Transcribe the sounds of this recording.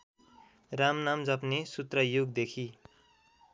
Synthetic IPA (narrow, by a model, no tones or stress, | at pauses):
ramnamd͡zʌpnesut̪rʌjuɡd̪ekʰi